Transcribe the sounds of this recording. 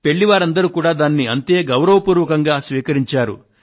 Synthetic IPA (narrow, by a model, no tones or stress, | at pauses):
pe̞ɭːiʋaːɾɐnd̪ɐɾukuːɽaːd̪aːnːiɐnt̪e̞ːɡɐwɾɐʋɐpuːɾʋɐkɐŋɡaːsʋiːkɐɾiɲt͡ʃaːɾṵ